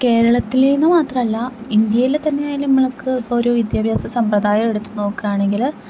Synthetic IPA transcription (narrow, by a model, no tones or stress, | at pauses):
ke̞ːɾɐɭɐt̪ːileːjnːɨmaːt̪rɐmɐlːɐind̪jɐjilt̪ɐnːejaːjilnimːɐɭɐkːɨpːoːɾoːʋid̪jaːbʱjaːsɐsɐmprɐd̪aːjɐme̞ɽut̪ːuno̞ːkːɨjaːɳe̞ŋɡil